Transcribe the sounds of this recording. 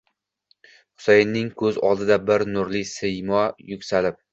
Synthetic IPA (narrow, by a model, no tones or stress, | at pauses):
χʊ̥sejɪnːɪŋkʲʰɵzɒ̰lˠd̪ɪd̪abɪɾnʊɾlɪsɪjmɒjʊkʲsalɪp̚